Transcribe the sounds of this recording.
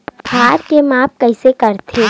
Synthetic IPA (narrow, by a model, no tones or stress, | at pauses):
bʰʱaːɾkemaːp̚kɐɪsekɐɾt̪ʰeː